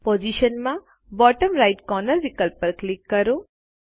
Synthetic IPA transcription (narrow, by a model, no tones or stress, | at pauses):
pod͡ʒiʃənmã | bɔːʈəmɾaɪʈkɔnəɾʋikəlpːəɾklikːəɾo